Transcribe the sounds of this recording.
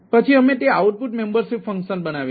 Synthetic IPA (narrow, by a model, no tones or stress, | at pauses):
pət͡ʃʰiəmet̪eauʈ̚puʈmembəɾʃipfə̃ŋkʃənbənaʋ